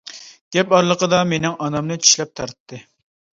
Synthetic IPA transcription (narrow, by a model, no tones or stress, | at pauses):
ɡ̪̥ɛpɑɾlˠəqəd̪ɑmenɪŋɑnɑmnɨt͡ʃʰy̥ʃlɛp̚t̪ʰɑɾt̪ʰːɨ